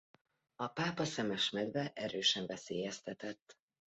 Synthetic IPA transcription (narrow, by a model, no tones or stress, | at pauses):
ɒpaːpɒsɛmɛʃmɛd̪vɛʔɛɾøːʃɛɱvɛsḛːjɛst̪ɛt̪ɛt̪ː